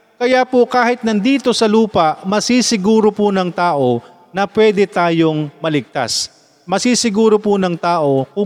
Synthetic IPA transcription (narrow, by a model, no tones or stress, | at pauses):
kɐjaːpokaːhɪt̪̚nɐnd̪iːt̪o̞sɐluːpɐʔmɐsisɪɡuːɾopʊnɐŋt̪aːʔo̞ | nɐpwɛːd̪ɛt̪aːjo̞ŋmɐlɪɡ̚t̪a̰s | mɐsiːsɪɡuːɾopʊnɐŋt̪aːʔo̞kʊ